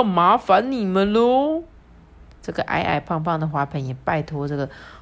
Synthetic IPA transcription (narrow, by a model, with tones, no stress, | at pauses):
ma˨˧˥fa˧˥˦nni˨˩mə˦nlo˥˦ | ʈ͡ʂɤ˥˩ɡə˩ʔa̰˧˥ɪʔa̰˥˩ɪpʰɑ˥˧ŋpʰɑ˥˩ŋd̪ə˩xwa˧˥pʰə˨˥˦njɛ˨˩pa˥˧˩ɪt̪ʰɔ˧˥ʈ͡ʂɤ˥˩ɡə˩